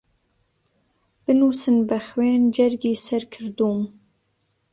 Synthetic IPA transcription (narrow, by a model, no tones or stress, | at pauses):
b̥ɨnuːsɨnbɛxweːnd͡ʒɛɾɡiːsɛɾkʰɨɾd̪uːm